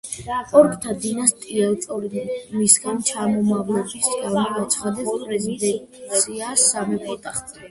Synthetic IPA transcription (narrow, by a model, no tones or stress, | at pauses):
ɔɾkʼt̪ʰad̪inast̪ʼiɛlˠt̪sʼɔɾid̪inmisɡant͡ʃʰamɔmavlɛbisɡavmɔat̪sʰχad̪ɛpspʼɾɛzid̪ɛnt̪ʼipʰusʰiasamipʼɔt̪ʼaχt̪ʼ